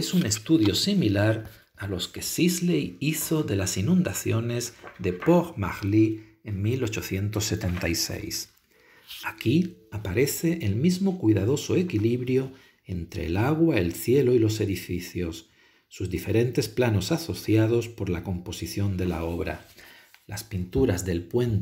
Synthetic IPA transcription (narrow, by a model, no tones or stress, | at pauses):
esune̞st̪uðjo̞similaɾ | aloske̞sizlejiθo̞ðe̞lasinũnd̪aθjo̞ne̞zðe̞poɣma̰ɣli | eŋmilo̞t͡ʃo̞θje̞nt̪o̞sːe̞t̪e̞nt̪ajse̞̰js | akiapaɾe̞θe̞ʔelmizmo̞kwiðaðo̞so̞e̞kiliβɾjo̞ | e̞nt̪ɾe̞̰ːlaɣwae̞lθje̞loilo̞se̞ðifiθjo̞sː | uzðife̞ɾe̞nt̪e̞splano̞saso̞θjað̞o̞spo̞ɾlako̞mpo̞siθjo̞nd̪e̞la̰o̞β̞ɾa̰laspint̪uɾazðe̞lpwe̞n